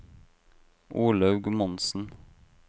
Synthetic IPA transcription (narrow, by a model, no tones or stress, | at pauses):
ʔuːlɑʉɡmɔnsn̩